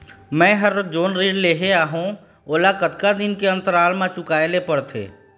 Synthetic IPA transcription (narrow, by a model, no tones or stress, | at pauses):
mɛ̃ːɦəɾd͡ʒoːnɾiːɖleːɦeaːɦũ | olakət̪kad̪ɪnkeə̃nt̪əɾaːlmãt͡ʃʊkaːjlepəɽt̪ʰḛː